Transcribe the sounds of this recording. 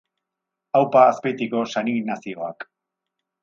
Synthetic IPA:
awpaːspe̞t̪iko̞saninasio̞ak

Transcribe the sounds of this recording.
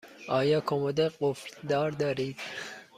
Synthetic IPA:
ɒːjɒːkʰomod̪eɢofɾd̪ɒːɾd̪ɒːɾiːd̪̥

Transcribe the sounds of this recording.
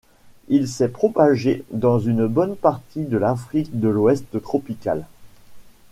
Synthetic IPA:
ilsɛpχɔpaʒed̪ɑ̃zynbɔnpaʁt̪id̪əlafχik̚d̪əlwɛst̪t̪χɔpika̰l

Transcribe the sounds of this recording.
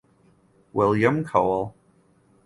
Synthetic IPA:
wɪlˠjɨ̃mkʰoʊlˠ

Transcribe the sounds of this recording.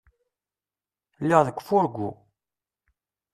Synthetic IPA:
lːiʁðəkʷːfʊɾɡʷu

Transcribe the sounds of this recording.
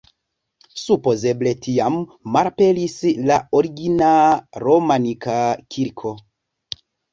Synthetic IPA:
supo̞ze̞ble̞tʰiamːaɾpe̞lislaoɾiɡinaɾomanikakʰiɾkʰo̞

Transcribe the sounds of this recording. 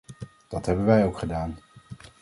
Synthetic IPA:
d̥ɑtɦɛbənʋɛjowkχədaːn

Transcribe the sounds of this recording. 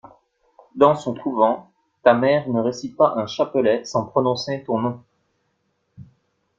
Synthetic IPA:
d̪ɑ̃sɔ̃kʰuvɑ̃ | t̪amɛʁnəʁesit̪̚paʔɛ̃ʃapəlɛsɑ̃pχɔnɔ̃set̪ɔ̃nɔ̃

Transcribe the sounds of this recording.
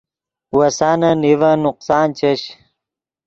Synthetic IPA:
wɐsaːnɐnivɐnuqsaːnt͡ɕɐɕ

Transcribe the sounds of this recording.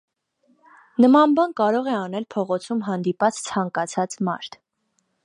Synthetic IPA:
nəmɑnbɑnkɑɾɔʁɛɑn̪ɛlpʰɔʁɔt͡sʰumɦɑnd̪ipɑt͡st͡sʰɑŋkɑt͡sʰɑt͡smɑ̰ɾt̪ʰ

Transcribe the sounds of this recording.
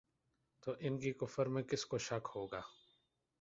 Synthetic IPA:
t̪oːʔɪnkikʊfəɾmẽkɪskoʃɐkhoːɡaː

